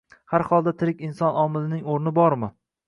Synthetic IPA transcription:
haɾhɒlˠd̪at̪ʰɪɾɪkʲɪnsɒnɒmɪlɪnɪŋoɾnɪbɒɾmɪ

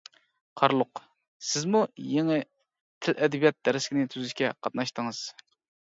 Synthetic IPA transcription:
qʰɑɾlˠʊq | sɪzmujeŋɪ | t̪ʰɪlʔɛd̪ɛbijɑt̪̚d̪ɛɾɪskʲɪnɪt̪ʰyzɪʃkʲɛqʰɑt̪nɑʃt̪əŋɨz̥

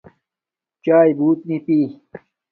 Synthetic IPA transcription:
t͡ɕaːjbuːt̪̚nipiː

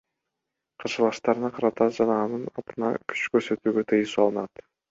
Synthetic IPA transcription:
qʰɑʃɯlˠɑʃt̪ɑɾɯnɑqʰɑɾɑt̪ɑd͡ʒɑnɑɑnɯnɑ̰t̪ɯnɑ̰kʲʰy̥t͡ʃkøɾsø̞t̪yːɡø̞t̪ʰɯjɯsɑlˠɯnɑt̪

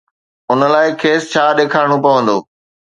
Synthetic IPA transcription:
ʊnə̆laːɪkʰeːst͡ɕʰaːɗeːkʰaːɪɽ̃opɐʋə̃nd̪o̰ː

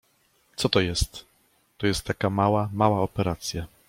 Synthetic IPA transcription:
t̪sɔt̪ɔjɛst̪ː | ɔjɛst̪ːakamawamawaɔpɛɾat̪sʲja

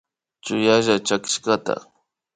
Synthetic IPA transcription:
t͡ʃʊjaʒat͡ʃakɪ̥ʃkat̪a̰

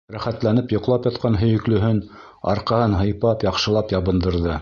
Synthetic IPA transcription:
ɾæχæt̪lænɘpjŏqlˠɑpjɑt̪̚qɑnɦɵ̆jɵ̆klɵ̆ɦɘn | ɑ̰ɾqɑhɤnɦɤ̆jpɑpjɑqʃɤ̆lˠɑpjɑβɤ̆nd̪ɤ̆ɾðɤ

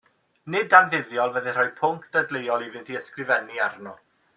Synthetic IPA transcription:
nɪdanvɪðjɔlˠvəðɪr̥ɔjpʰʊŋkʰd̥ədlejɔlˠivɪntʰiəskrɪvɛniarnɔ

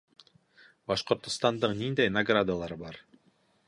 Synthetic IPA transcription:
bɑʃqŏɾt̪ːust̪ɑnd̪ɯqnind̪ejnaɡrad̪alˠɑɾɯbɑɾ

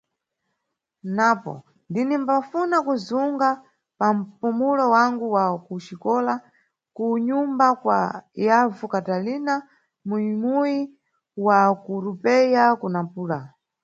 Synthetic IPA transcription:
napɔ̰ | ndinimbafunakuzuŋɡa | pam̩pumulɔwaŋɡuwakuʃikɔla | kuɲumbakwa̰javukatalina | muimuji | wakuɾupɛjakunapuːla

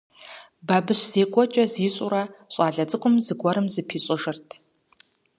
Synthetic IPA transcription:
baːbɨɕz̥eːkʷʼɔt͡ʃʼɐziːɕʼʊ̰ɾɐɕʼɑːɮɐd͡zɨqʷʊmzɨɡʷɔɾɨmzɨpʰiːɕʼɪʒɨrtʰ

